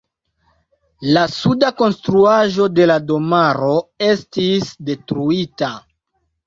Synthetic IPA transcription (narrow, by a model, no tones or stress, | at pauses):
lasudako̞nstɾuaʒo̞de̞lado̞maɾo̞e̞stisde̞tɾuita